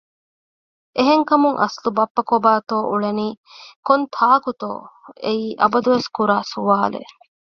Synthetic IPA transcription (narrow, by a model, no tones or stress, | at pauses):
ʔeɦeŋkɐmuŋʔɐ̰slubɐpːɐkobaːt̪oːʔuɭeniː | kont̪ʰaːkut̪o̰ːeiːʔɐbɐd̪uʋeskuɾaːsuʋaːlḛ